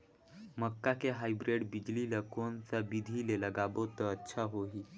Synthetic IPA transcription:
məkːakeɦajbɾeɽbid͡ʑliləkont͡sabid̪ʱileləɡabot̪əətːɕʰaɦoɦiː

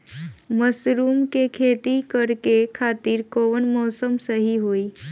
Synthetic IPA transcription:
məsɾuːmkekʰet̪ikəɾkekʰat̪iːɾkoːnmɔːsəmsəɦiɦoiː

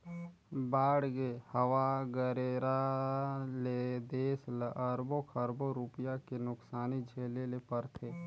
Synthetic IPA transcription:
baːɽɡehəwaɡəɾeːɾa | led̪eːslʔəɾbokʰəɾboɾupjakenʊksaːnid͡ʒʱeːlelepəɾt̪ʰeː

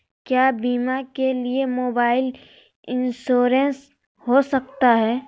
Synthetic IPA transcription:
kjaːbiːmakeliemoːbaːɪl | ɪnsoːɾens | hosɐk̚t̪aɦɛː

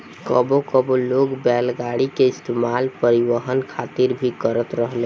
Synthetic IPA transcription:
kəbokəboloːɡbɛːlɡaɽikeɪst̪emaːlpəɾɪʋəɦənkʰaːt̪ɪɾbʱikəɾət̪ɾəɦlẽ

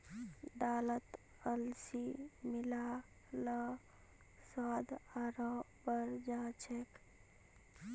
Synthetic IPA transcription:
ɖalət̪ | əlsimila | lə | swad̪ʱaɾɔ | bəɾd͡ʒat͡ʃʰek

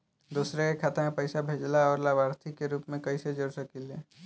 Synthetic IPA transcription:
d̪uːsɾeekʰaːt̪amẽpəɪsabʱeːd͡ʒlaɔːɾlabaːɾt̪ʰikːeɾuːpmẽkɐised͡ʒoːɾsəkileː

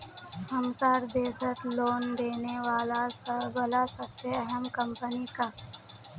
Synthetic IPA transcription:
hɐmsaːɾd̪eːsət̪loːnd̪eːneʋaːlaslasɐbseɐɦəmkɐ̃mpənikaː

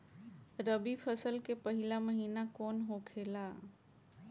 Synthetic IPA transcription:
ɾəbipʰəsəlkepəɦɪlaməɦiːnakɔːnɦokʰeːla

